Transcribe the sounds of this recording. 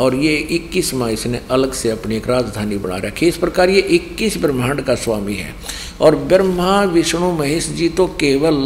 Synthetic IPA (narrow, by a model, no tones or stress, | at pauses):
ɔːɾjeɪkːismãːɪsneʔɐləɡseɐpnieːkɾaːd͡ʒd̪ʱaːnibəɽ̃a̰ːɾəkʰːiɪspɾəkaːɾjeʔɪkːisbɾmaːɳɖkasʋaːmiɦɛ̰ː | ɔːɾbəɾmãʋɪʃɳ̃umɐɦɪʃd͡ʒit̪õkeːʋəl